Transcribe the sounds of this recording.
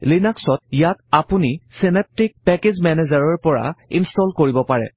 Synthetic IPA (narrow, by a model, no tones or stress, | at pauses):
linaksɔt̚jatapunisinep̚tik̚pɛked͡ʑmɛnezaɹɔɹpɔɹa̰ḭnstɔlkoɹibɔpaɹɛ̰